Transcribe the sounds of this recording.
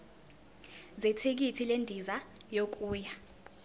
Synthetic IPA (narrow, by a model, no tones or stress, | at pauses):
zɛtʰek̬itʰilendʱizajok̬ʼuːja